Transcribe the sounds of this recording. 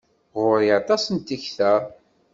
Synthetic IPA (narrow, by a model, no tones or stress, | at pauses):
ʁʊɾiɑt̪ˤɑsənt̪içθæ